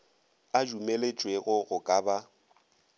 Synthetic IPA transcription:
ad͡ʒumelet͡ʃʼweɣʊɣʊkʼaːba

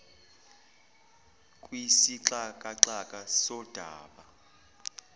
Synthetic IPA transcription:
kʼwisiǁakʼaǁakʼasɔd̥ʱaːɓa

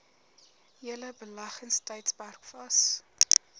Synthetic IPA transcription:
ɦiələbəlɐχənstɛjtsparkfɐs

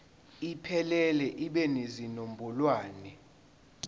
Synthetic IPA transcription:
ipʰɛlɛlɛʔiɓɛnezinombʱɔlwaːnɛ

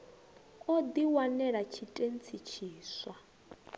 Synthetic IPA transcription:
od̪iwanɛɺat͡ʃʰitʼent͡sʰit͡ʃʰiːswa

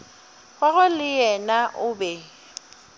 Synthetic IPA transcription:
ɣwaɣʊlɪjɛnaʔʊbɛ

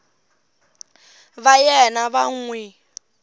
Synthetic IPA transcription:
βajɛnaβaŋ̩wɛ

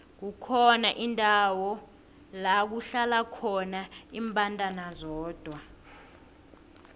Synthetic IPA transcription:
k̬ukʰɔnaʔindʼʱawɔ | lak̬uɬalakʰɔnaimpʼantʼanazɔːd̥ʱwa

